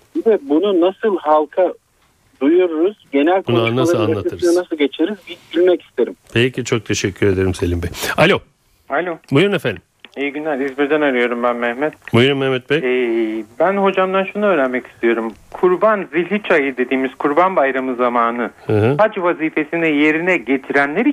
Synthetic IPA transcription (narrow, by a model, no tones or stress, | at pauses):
bɛbununasɯlˠɦalˠkʰa | d̪ujuɾuɾuz̥ɟe̞nælʲkunanːalˠaanːˠat̪ʰɯsnanasɯlˠɟe̞t͡ʃʰeɾizbizɟylʲmɛci̥st̪ʰeɾimpʰejcit͡ʃʰok̚t̪ʰe̞ʃɛcʲʰːyɾed̪eɾimselʲimbɛjalʲo̞ | alʲo̞mujɾunefænd̪imejɟynːʲæɾʲizbiɾd̪ænaɾɯjo̞ɾumbænmɛhmɛt̪̚mujɾunmɛhmɛt̪̚bɛɛbænho̞d͡ʒamd̪anʃunuøːɾænmɛci̥st̪ʰijo̞ɾumkʰuɾbanzilʲit͡ʃʰajɯd̪e̞d̪iːmiz̥kʰuɾbanbajɾamɯzamaːnɯhɛɦhad͡ʒvaziːfe̞sinɛje̞ɾinɛɟe̞t̪ʰiɾænlʲeɾi